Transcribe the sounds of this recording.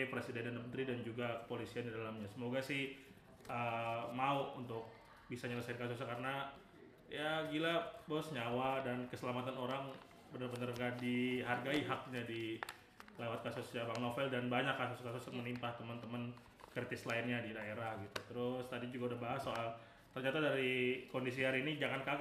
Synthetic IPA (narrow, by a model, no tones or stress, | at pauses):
pɾesidɛnandəmənt̪ɾidand͡ʒuɡakə̥polisiandidalamɲasəmoɡasɪh | ʔəmauunt̪ʊk̚ | bisaɲələsaɪnkasus̬ɲakaɾəna | jaɡilabosɲawadankəsəlamat̪anoɾaŋ | bənərbənərɡadiɦarɡaiɦak̚ɲadi | lewat̪̚kasusjabaŋnofɛldanbaɲakːasʊskasʊst̚mənimpaht̪əmənt̪əmən | kɾit̪ɪslaɪnɲadidaeɾahɡit̪ut̪əɾʊst̪adid͡ʒuɡaudahbaɦasːoʔal | t̪ərɲat̪adaɾikondis̬iaɾinid͡ʒaŋanka